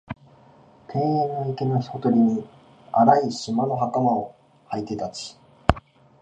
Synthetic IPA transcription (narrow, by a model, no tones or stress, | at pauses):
t̪ʰẽ̞ɰ̃ẽnːoikenoçi̥hot̪o̞ɾʲiɲ̟i | aɾaiɕimano̞ɦakamao | hait̪e̞t̪at͡ɕi̥